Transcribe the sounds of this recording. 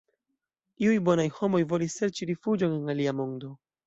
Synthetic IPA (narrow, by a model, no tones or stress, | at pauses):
iujbo̞najho̞mo̞jvo̞lisːe̞ɾt͡ʃiɾifud͡ʒo̞nenaliamo̞ndo̞